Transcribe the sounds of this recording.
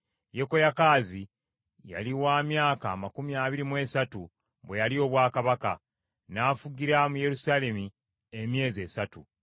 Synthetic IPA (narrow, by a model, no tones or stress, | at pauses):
je̞ko̞jakaːzi | ja̰liwaːmjaːkaːmakumiaːβiɾimwe̞ːsatu | βwe̞jalio̞βwaːkaβaka̰ | naːfuɡiɾamuje̞ɾusaːle̞mi | emje̞ːzie̞satṵ